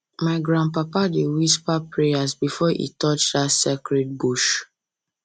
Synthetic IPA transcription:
maɪɡɾãnpapadewispapɹejasbifɔʔḭtɔt͡ʃdatsekɹɛt̚buʃ

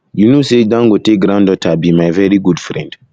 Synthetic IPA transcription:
junosedãŋɡotek̚ɡɾãndɔtʰabimajvɛɹiɡudfɹɛ̰̃nd

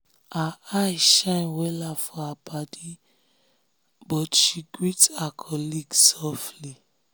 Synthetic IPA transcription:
aajʃãɪnwɛlafɔapadi | bɔtʃiɡɹitakʰɔliɡsɔfli

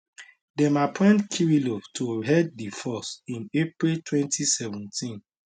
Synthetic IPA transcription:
dɛ̃mapʰɛ̃ndkʰiɹilotʰoɦɛd̚difɔsĩnepɹiltʰwɛ̃ntʰisɛvɛ̃ntʰĩn

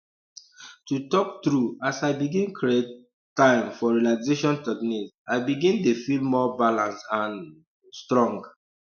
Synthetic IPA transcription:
tutɔk̚tɹuasaɪbiɡĩnkʰɹiet | tːãɪ̃mfɔɹilazeʃɔ̃ntɛkniz | aɪbiɡĩntefilmɔbalãnsãn | stɹɔ̃ŋɡ

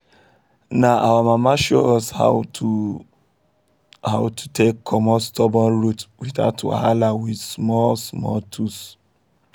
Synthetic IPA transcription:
naʔawamamaʃo̰ɔsha̰tʰu | haʊtʰu̥tʰekːʰɔmɔstʰɔbɔ̃nɹutwiθa̰tʰṵha̰lawidsmɔlsmɔ̰ltʰus

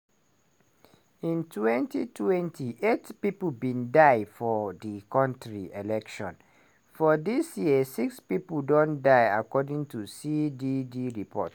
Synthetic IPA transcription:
ĩntʰwɛ̃ntḭtʰwɛ̃ntʰiʔetpipl̩bĩndaɪfɔdikɔ̃ntɹielɛkʃɔ̰̃n | fɔdisjiəsikspipl̩dõndaɪakɔdĩŋtusididiɹipʰɔ̰t

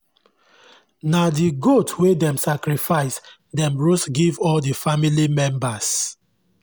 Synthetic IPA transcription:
nadiɡotwedɛ̃msakɾifaɪs | dɛ̃mɹosɡivɔldifamilimɛ̃mbas

